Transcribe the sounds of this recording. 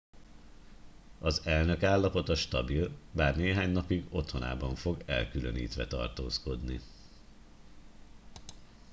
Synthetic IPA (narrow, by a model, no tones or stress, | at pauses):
ɒzɛlnø̞kaːlːɒpo̞t̪ɒʃt̪ɒbilbaːrneːɦaːɲnɒpiɡo̞t̪ho̞na̰ːbɒɱfo̞ɡɛ̰lkylø̰nḭːt̪ʋɛt̪ɒ̰rt̪oːsko̞d̪ni